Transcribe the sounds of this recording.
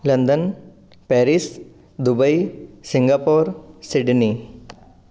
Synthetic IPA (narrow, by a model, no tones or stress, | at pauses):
lənd̪ən | pɛɾis | d̪ubəisiŋɡapoːɾsiɖni